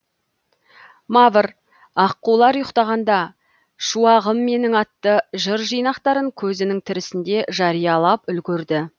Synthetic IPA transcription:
mɑvəɾ | ɑqːulˠɑɾjəqt̪ɑʁɑnd̪ɑ | ʃuɑʁəmːe̞nɪŋɑt̪ːəʒəɾʒijnɑqt̪ɑɾəŋkʲʰɵzɪnɪŋt̪ʰɪɾɪsɪnd̪e̞ʒɑɾijɑlˠɑpʏlɡʲɪɾd̪ɪ

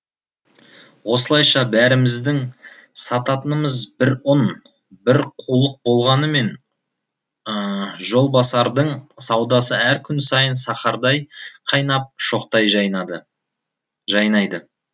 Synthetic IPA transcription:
wo̞səlˠɑjʃɑbæɾɪmɪzd̪ɪŋ | sɑt̪ɑt̪ənəməzbɪɾʊn | bɪɾqʰulˠəq̚bo̞lˠʁɑnəme̞n | ʒo̞lˠbɑsɑɾd̪əɴsɑwd̪ɑsəæɾkʲʰʏnsɑjənsɑχɑɾd̪ɑjqʰɑjnɑp̚ʃo̞qt̪ɑjʒj̪d̪ | ʒɑjnɑjd̪ə

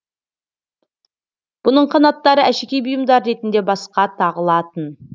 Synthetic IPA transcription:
b̥ʊnəɴqʰɑnɑt̪ːɑɾəʔæʃekʲejbʊjəmd̪ɑɾːe̞t̪ɪnd̪e̞bɑsqɑt̪ʰɑʁəlˠɑt̪ən

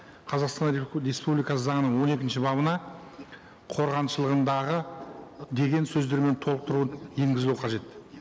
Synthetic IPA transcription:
qʰɑzɑqst̪ɑnɾe̞spublijkɑsəzɑɴənəɴwo̞ne̞kʲɪnʃɪbɑβənɑ | qʰo̞ɾʁɑnʃəlˠəʁənd̪ɑʁə | d̪e̞ɡʲe̞nsɵzd̪e̞ɾme̞nt̪ʰo̞lˠəq̚t̪əɾuənje̞ŋɡʲɪzuqʰɑʒe̞t̪

